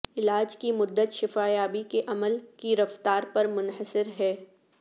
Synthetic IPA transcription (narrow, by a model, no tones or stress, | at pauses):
ɪlaːd͡ʒkimʊd̪ːət̪ʃɪfaːjaːbikeʔɐməlkiɾɐft̪aːɾpɐɾmʊnhəsɪɾɦɛː